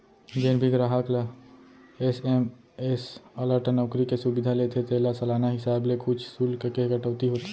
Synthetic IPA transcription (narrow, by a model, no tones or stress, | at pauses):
d͡ʒenbʱiɡɾaɦakla | esem | esələɾʈnɔːkɾikesubɪd̪ʱalet̪ʰet̪elasəlaːnaɦɪsaːblekʰʊt͡ʃʰsuːlkkeɡəʈəʊt̪iɦoːt̪